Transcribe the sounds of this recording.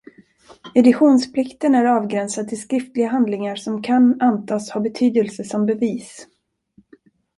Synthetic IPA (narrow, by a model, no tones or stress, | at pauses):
ɛd̪ɪɧuːnspʰlɪkt̪ənæɾɑːvɡɾɛnsad̪̚t̪ʰɪlskɾɪft̪lɪɡaɦand̪lɪŋaɾʂɔmkʰanant̪ʰɑːshabɛt̪ʰyːd̪əlsəsɔmbɛviːs